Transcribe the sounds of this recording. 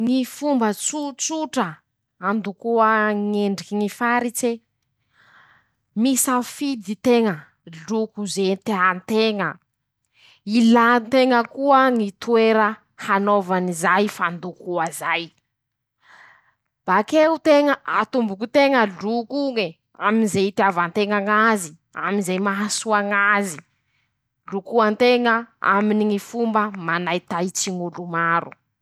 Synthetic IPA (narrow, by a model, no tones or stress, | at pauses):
ŋifumbət͡sut͡suʈ͡ʂə | and̪ukuəŋeɳɖ͡ʐikiŋifaɾit͡se | misafid̪it̪eŋə | lukuzet̪eant̪eŋə | ilant̪eŋəkuəŋit̪ueɾə | hanovanizajfand̪ukuazaj | b̥akeut̪eŋəʔat̪umbukut̪eŋəlukuŋe | aminzeit̪avant̪eŋaŋazi | a̰minzajmaɦasuaŋazi | lukuant̪eŋəa̰miniŋifumbəmanajt̪ait͡siŋulumaɾṵ